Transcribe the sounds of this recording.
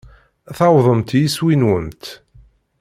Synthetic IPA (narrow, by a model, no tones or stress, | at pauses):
θɑwðˤəmt̪jiswinwənt̪